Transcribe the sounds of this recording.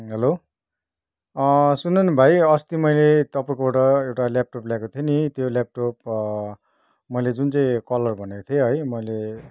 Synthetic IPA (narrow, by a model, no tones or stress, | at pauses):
ɦʌlo | sunʌnbʱajʌst̪imʌjlet̪ʌpãkooʈʌewʈalap̚ʈopljakot̪ʰionit̪jolap̚ʈop | mʌjled͡zunt͡saĩkʌlʌrbʱʌnekot̪ʰioɦʌjmʌjle